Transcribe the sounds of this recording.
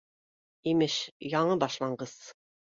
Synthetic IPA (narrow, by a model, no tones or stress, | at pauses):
imɘʃjɑɴɤbɑʃlˠɑɴɢɤz̥